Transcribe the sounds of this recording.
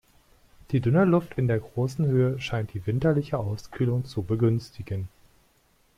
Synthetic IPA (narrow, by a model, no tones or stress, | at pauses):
d̥iːdʏnəlʊftʰɪndeːɐɡʁoːsn̩høːəʃaɪnt̚d̥iːvɪntɐlɪçəʔaʊskʰylʊŋt͡subəɡʏnstʰɪɡən